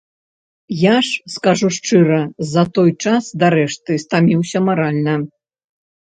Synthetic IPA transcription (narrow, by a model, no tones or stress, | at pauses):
jaʂskaʐuʂt͡ʂɨɾɐzɐt̪ɔjt͡ʂasd̪ɐɾɛʂt̪ɨst̪amʲiwsʲɐmaɾalʲnɐ